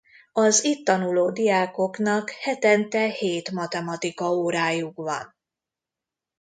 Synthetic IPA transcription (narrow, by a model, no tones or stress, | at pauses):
ɒzit̪ːɒnuloːd̪ijaːko̞knɒkhɛt̪ɛnt̪ɛheːt̪mɒt̪ɛmɒt̪ikɒoːɾaːjukʋɒ̰n